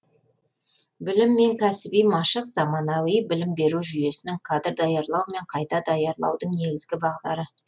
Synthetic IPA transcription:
bɪlɪmːe̞ŋkʲʰæsɪbijmɑʃəqz̥ɑmɑnɑwijbɪlɪmbe̞ɾuʒʏje̞sɪnɪŋkʰɑd̪ɪɾd̪ɑjɑɾlˠɑwme̞ɴqʰɑjt̪ɑd̪ɑjɑɾlˠɑ̰wd̪əɴne̞ɡʲɪzɡʲɪbɑʁd̪ɑɾə

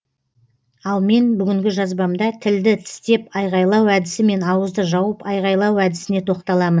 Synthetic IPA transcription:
ɑlˠme̞nbʏɡʲɪŋɡʲɪʒɑzbɑmd̪ɑt̪ʰɪld̪ɪt̪ʰɪ̥st̪e̞pɑjʁɑjlˠɑwæd̪ɪsɪme̞nɑwəzd̪əʒɑwəpɑjʁɑjlˠɑwæd̪ɪsɪne̞t̪ʰo̞qt̪ɑlˠɑmən

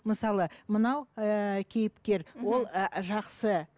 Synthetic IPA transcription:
məsɑlˠəmənɑwkʲʰe̞jɪpkʲe̞ɾwo̞lˠʒɑqsə

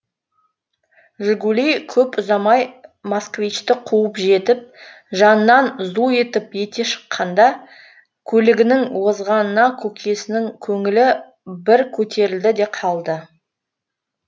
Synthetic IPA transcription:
ʒʊɡulijkʲʰɵpʊzɑmɑjmoskvʲijt͡ʃt̪ɪqʰuəpʒe̞t̪ɪp̚ | ʒɑnənɑnzue̞t̪ɪpje̞t̪e̞ʃə̥qʰːɑnd̪ɑ | kʲʰɵlɪɡʲɪnɪŋwo̞zʁɑnənɑkʲʰɵkʲʰe̞sɪnɪŋkʲʰɵŋɪlɪ | bɪɾkʲʰɵt̪ʰe̞ɾɪld̪ɪd̪e̞qʰɑlˠd̪ə

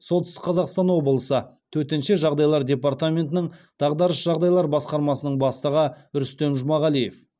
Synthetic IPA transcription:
solˠt̪ɪst̪ɪ̥kqʰɑzɑqst̪ɑnwo̞bəlˠəsət̪ʰɵɾt̪enʃeʒɑʁd̪ɑjlˠɑɾd̪ʲe̞pɑrt̪amʲe̞nt̪ɪnɪɴ | d̪̥ɑʁd̪ɑɾəsʒɑʁd̪ɑjlˠɑɾbɑsqɑɾmɑsənəɴbɑst̪əʁəʏɾst̪e̞mʒʊmɑʁɑlijef

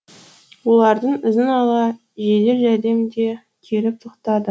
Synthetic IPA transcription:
wo̞lˠɑɾd̪əɴɪzɪnɑlˠɑ | ʒed̪e̞ɾʒæd̪e̞md̪e̞ | kʲʰe̞lɪp̚t̪ʰoqt̪ɑd̪ə

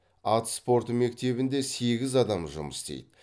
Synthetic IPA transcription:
ɑt̪spo̞ɾt̪əme̞k̚t̪e̞βɪnd̪e̞se̞ɡʲɪzɑd̪ɑmʒʊ̰məst̪ḛjd̪ɪ

